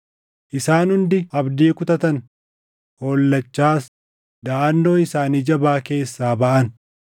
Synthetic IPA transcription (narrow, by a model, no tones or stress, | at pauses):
ʔɪsaːnhʊnd̪ɪɐbd̪iːkʊt̪ɐt̪ɐn | ho̞ːlːɐt͡ʃːaːs | d̪ɐaːnːo̞ːɪsaːniːd͡ʒɐbaːke̞ːsːaːbɐʔɐn